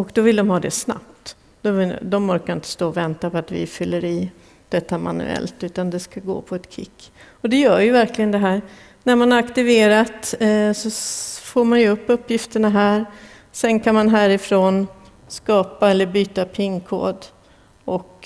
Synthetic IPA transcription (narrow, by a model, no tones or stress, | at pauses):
ɔkd̪ɔvɪld̪ɔmhɑːd̪ɛsna̰p̚t̪ | d̪̥ɔd̪ɔmbœɾkaɾɪnt̪ə̥st̪oːvɛnt̪apʰɔat̪vɪ̰fʏlːəɾiː | d̪̥ɛt̪ːama̰nɵ̰ɛ̰lt̪ʉ̟ːt̪and̪ɛskaɡo̰ːpʰɔɛt̪kʰɪ̰kːɔd̪ɛjœːɾjɵvæɾklɪɡənd̪ɛɦæːɾ | næɾmanhaɾakt̪ɪveːɾat̪sɔfoːɾmanjɵɵpːɵpːjɪft̪əɳaɦæːɾ | sɛnkʰanmanɦæːɾɪfɾoːn | skɑːpaɛlːəɾbyːt̪apʰɪŋkʰo̰ːd̪ | ɔk